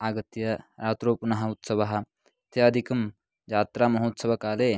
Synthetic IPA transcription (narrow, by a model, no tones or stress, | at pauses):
aːɡɐt̪jɐɾaːt̪ɾoːpunɐɦɐ̆ut̪sɐʋɐɦɐ̆ | t̪ʰeɐd̪ʱikɐm | d͡ʒaːt̪ɾaːmɐɦoːt̪sɐʋɐkaːleː